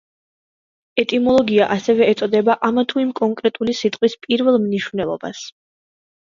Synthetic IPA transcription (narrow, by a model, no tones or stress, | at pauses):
ɛt̪ʼimɔlˠɔɡiaʔasɛvɛːt̪sʼɔd̪ɛbaʔamat̪ʰuimkʼɔŋkʼɾɛt̪ʼulisit̪ʼqʼwispʼiɾvɛlˠmniʃvnɛlˠɔ̰ba̰s